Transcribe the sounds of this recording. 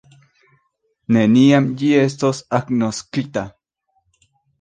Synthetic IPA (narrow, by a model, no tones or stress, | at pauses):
neniamjiest̪osaknoskit̪a